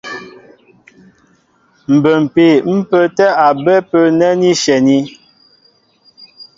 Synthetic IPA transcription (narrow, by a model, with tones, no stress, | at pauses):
m̩˨bə˨m̩˨pe˨m̩˦pə˦tɛ˦a˨bɛ˦pə˦nɛ˦ni˦ʃɛ˨ni˦